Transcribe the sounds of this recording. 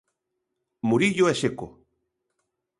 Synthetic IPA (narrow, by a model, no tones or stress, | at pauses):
muɾiʎoeʃeko